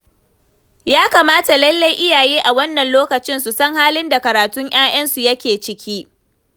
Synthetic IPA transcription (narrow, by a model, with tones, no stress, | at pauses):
jaː˦kaː˨maː˦ta˨lɐ˦lːa˦jʔɪ˦jaː˨jiː˦ʔa˨wɐ˦nːɐ˨nloː˦kɐ˨t͡ʃɪ˦nsu˨sɐ˦ŋhaː˦lɪ˦nda˨kɐ˨ɾaː˨tʊ˦ŋj̰aː˦j̰ɐ˦nsu˨jɐ˦kʲeː˨t͡ʃɪ˦kʲʰiː˦